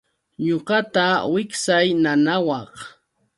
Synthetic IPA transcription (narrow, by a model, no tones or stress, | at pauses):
ɲoɢɑt̪awɪksajnanawɑχ